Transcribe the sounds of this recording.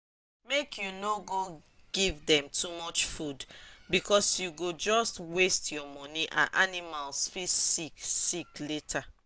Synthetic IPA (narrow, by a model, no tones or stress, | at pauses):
mekʰjunoɡoɡ̥ivdɛ̃mtʰumɔt͡ʃfudbikʰɔsjuɡod͡ʒɔstwestjɔmɔniʔã̰nʔanimalsfisiksikletʰa